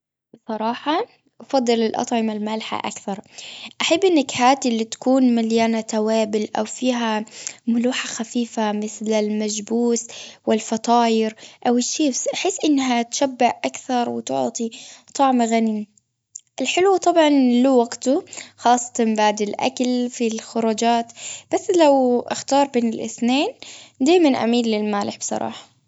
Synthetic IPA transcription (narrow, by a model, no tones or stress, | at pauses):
bɨsˤɑɾˤɑːħɑ | ʔɑfɑd̪ˤːɨlɪlʔɑ̰t̪ˤʕɪmalmalħa̰ʔa̰kθɑɾˤʔaħabːʔɪnːakhaːt̪ʔlːit̪ḁkuːnmaljaːnat̪awaːbɪlʔa̰wfiːɦamʊluːħaxafiːfamɪθlɪlmad͡ʒbuːswɪlfɑt̪ˤɑːjɪɾʔawɪʃiːbsʔaħɪsːʔɪnːɦat̪ʃabːɪʕʔakθɑɾˤwɪt̪ʊ̰ʕt̪ˤit̪ˤɑʕmɣani | ʔɪlħɪlwt̪ˤɑbʕɑnluwaɡt̪ʊxɑːsˤːɑ̥t̪ɑmbaʕd̪ɪlʔa̰kalfilxʊɾˤud͡ʒaːt̪b̥asːlawʔɪxt̪ɑːɾˤbeːnɪlʔɪ̰θneːnd̪aːjmanʔa̰miːlːɪlmaːlɪħbsˤɑ̰ɾˤɑ̰ːħɑ̥